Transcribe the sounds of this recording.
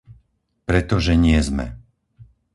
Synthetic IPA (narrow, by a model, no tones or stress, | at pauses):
pɾɛt̪ɔʒɛɲɪɛzmɛ̰